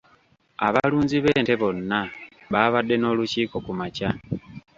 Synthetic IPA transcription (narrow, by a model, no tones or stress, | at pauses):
aβaluːnziβe̞ːnte̞βo̞nːa | βaβadːe̞no̞luciːko̞kumaca